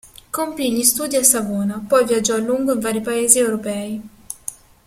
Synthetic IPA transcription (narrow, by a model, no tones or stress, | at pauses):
kompiʎːist̪uːd̪iasːavoːnapɔjvjad͡ʒːɔlːuŋɡoiɱvaːɾipaeːziɛwɾopɛːi